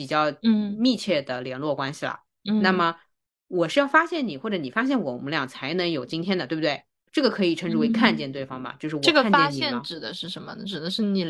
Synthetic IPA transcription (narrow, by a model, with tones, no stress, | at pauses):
pi˨˩t͡ɕjɑ˥˧ʊ˥˩mi˥˧t͡ɕʰjɛ˥˩d̪ə˩ljɛ˧˥nlwɔ˥˩kwa˥nɕi˨˩lə̰˩˧ | na˥˩mə˩ | wɔ˨˩ʂɻ̩˥˧jɑ˥˩ʊfa˥ɕjɛ˥˩nni˨˩xwɔ˥˩ʈ͡ʂɤ˧˥ni˨˩fa˥ɕ̬jɛ˥˩nwɔ˨˩˨mə˥ljɑ̰˨˩ŋt͡sʰa˧˥ɪnɤ˧˥ŋjo˨˩ʊt͡ɕi˥nt̪ʰjɛ˥nd̪ə˩t̪wbt̪we˥˩ɪ | ʈ͡ʂɤ˥˩ɡə˩kʰɤ˧˥i˨˩ʈ͡ʂʰɤ˧˥ŋʈ͡ʂu˥we˥ɪkʰa˥˧nt͡ɕjɛ˥˧nt̪we˥˩ɪfɑ˥ŋbɐ̰˩t͡ɕjo˥˧ʊʂ̬ɻ̩˥˩wʈ͡ʂɔɤ˥˩ɡə˥˧nfat͡ɕɛ˥˧˥nɕi˨jɛ˩˥˩ʈ͡ʂɻ̩˨˩d̪ə˦ʂɻ̩˥˩ʂə˧˥nmə̰˧˩ʈ͡ʂɻ̩˨˩d̪ə˦ʂɻ̩˥˩ni˨˩